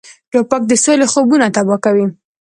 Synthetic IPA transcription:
lopak̚d̪əsolexobunat̪abɑkawi

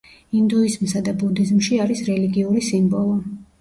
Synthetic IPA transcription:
ind̪uizmsad̪abud̪izmʃiaɾisɾɛliɡiuɾisimbɔlˠɔ

